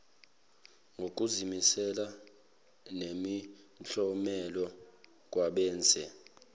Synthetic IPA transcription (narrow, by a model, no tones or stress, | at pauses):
ŋɡʱok̬ʼuzimisɛla | nemi | t͡ɬʼɔmɛlɔ | k̬ʼwaɓɛːnt͡sʼɛ